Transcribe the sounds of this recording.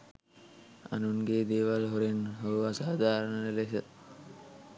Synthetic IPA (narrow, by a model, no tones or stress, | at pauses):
a̰nunɡeːd̪eːʋalɦoɾenɦoasaːd̪ʱaːɾəɳənəlesət̪